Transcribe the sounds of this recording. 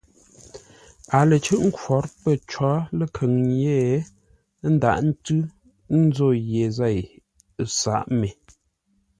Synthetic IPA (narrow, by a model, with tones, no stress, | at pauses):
a˨lə˨t͡ʃʉ˦ʔŋ̩˦kwɔ˨˦ɾpə˦˨t͡ʃwɔ˨˦lə˨kʰə˨ŋje˦˨˦ | n̩˦da̰˨ʔn̩˦tʉ˦ | n̩˦zo˦˨jje˨za˦˨j | sa̰˨ʔme˨